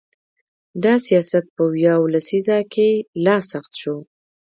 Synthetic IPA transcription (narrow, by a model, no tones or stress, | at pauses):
d̪ɑsijɑsat̪̚pəwjawlasizɑkelɑsaxt̪ʃo